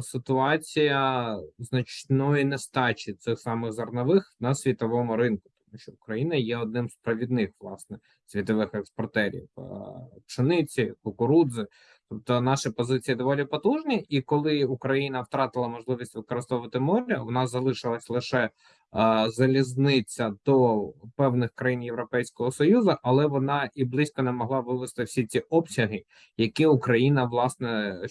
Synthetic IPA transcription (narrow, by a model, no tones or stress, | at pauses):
sɪt̪ʊɑt͡sʲijɐznɐt͡ʃnɔjinɛst̪ɑt͡ʃit̪sɪxsɑmɪɣzɐrnɐʋɪxnɐsʲʋʲit̪ɔʋɔmʊɾɪnkʊ̥t̪ɔ̥muʃt͡ʃɔʊkɾɐjinɐjɛɔd̪̚nɪmspɾɐʋʲid̪nɪxʋlˠɑ̰snɛ | sʲʋʲit̪ɔʋɪxɛkspɔrt̪ɛɾʲḭw | pʃɪnɪt͡sʲikʊkʊɾud̪zɪ | t̪ɔp̚t̪ɔnɑʃɪpɔzɪt͡sʲijid̪ɔʋɔlʲipɔt̪uʒnʲiʔikɔlˠɪukɾɐjinɐwt̪ɾɑt̪ɪlˠɐmɔʒlˠɪʋʲisʲtʲʋɪkɔɾɪst̪ɔʋɪt̪ɪmɔɾʲɐʋɔnɑzɐlˠɪʃɪlˠɐsʲlˠɪʃɛ | zɐlʲiznɪt͡sʲːɐd̪ɔpɛwnɪxkɾɐjinjewɾɔpɛjsʲkɔɦɔsɔjuzɐʔɐlˠɛʋɔnɑʔiblˠɪsʲkɔnɛmɔɦlˠɑʋɪʋɪst̪ɪwsʲit͡sʲiʔɔpsʲɐɦɪ | jɐkiʊkɾɐjinɐʋlˠɑsnɛ